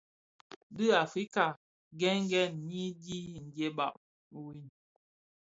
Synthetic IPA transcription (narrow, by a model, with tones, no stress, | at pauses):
dɨ˦˨a˨fɾi˦ka˨ | ɡɛ˦ŋ˦ɡɛ˦˨nɲi˦di˦n̩˨de˦ba˦˨ʔ | wi˦n